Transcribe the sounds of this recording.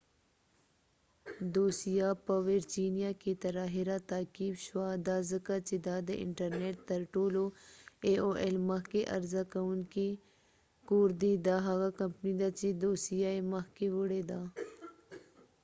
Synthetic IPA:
d̪oːsijapɐʋeɾd͡ʒiːnijaket̪ɐɾaːɦiɾat̪aːkibʃwad̪aːzəkat͡ʃid̪aːd̪ə̰ʔɪ̰ɳʈɐɾneʈt̪ɐɾʈoːloeoʔelmɐkeʔɐ̰ɾzakɐunki | koːɾd̪id̪aɦaɣakɐmpnid̪at͡ʃid̪oːsijaemɐɦkeʋʊɽed̪aː

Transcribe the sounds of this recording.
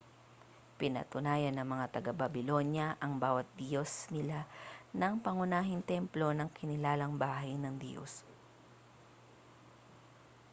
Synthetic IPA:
pɪnɐ̰t̪ʊnaːjɐnːɐŋmɐŋat̪ɐɡabɐbɪlo̞njɐʔɐŋbaːwɐt̪̚d̪ɪjo̞snɪlanɐŋpɐŋʊnaːɦɪnt̪ɛmplo̞nɐŋkʰɪnɪlaːlɐŋbaːɦɐjnɐŋd̪jo̰s

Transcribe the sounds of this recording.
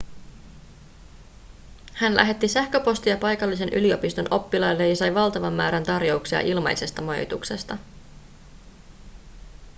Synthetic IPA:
hænlʔæ̰ɦe̞t̪ːisæhkøpo̞st̪ijɑpɑjkɑlːise̞nʔylio̞pist̪o̞nʔo̞pːilɑjlːe̞jɑsɑjʋɑlt̪ɑʋɑmːæːɾænt̪ɑrjo̞uksiɑ̰ʔilmɑ̰jse̞st̪ɑmɑjo̰t̪ukse̞st̪ɑ

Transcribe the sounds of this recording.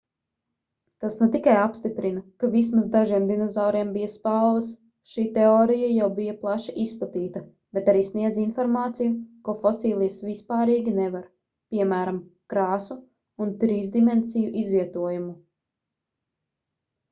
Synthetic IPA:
t̪asnɛt̪ikajapst̪ipɾinɐkavis̬masd̪aʒiɛmd̪inɔzawɾiɛmbijɐspalˠʋɐs | ʃiːt̪eɔːɾijajawbijɐplˠaʃiʔisplˠat̪iːt̪ɐ | bɛt̪aɾiːsniɛd̪zinfɔɾmaːt̪sijukofɔsiːlˠijasvispaːɾiːɡʲinɛvaɾ | pʲiɛmæːɾamkɾaːsu | unt̪ɾiːzd̪imensijuʔizvʲiɛt̪uɔjumu

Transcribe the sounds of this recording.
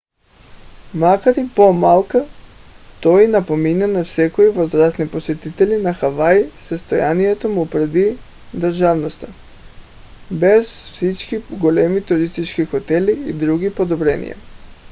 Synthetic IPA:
makaɾipomalˠka | t̪ojinapominanafsɛkoivozɾast̪niposɛt̪it̪ɛlinaxavajsəst̪ojanijɛt̪omupɾd̪i | d̪ɾʒavnost̪a | bɛzfsit͡ʃkiɡolɛmit̪uɾist̪it͡ʃkixot̪ɛliːd̪ɾuɡipod̪ɔbɾɛnḭja̰

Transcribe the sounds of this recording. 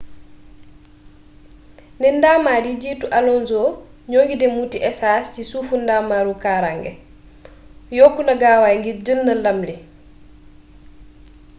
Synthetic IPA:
nɛndaːmaːɾiɟiːtuʔalɔnzɔːɲoːŋɡidɛmutiʔɛsaːstisuːfundaːmaːɾukaɾaŋɡɛ̰ | jɔːkːunɐɡaːwajŋɡidəlnɐlɐmli

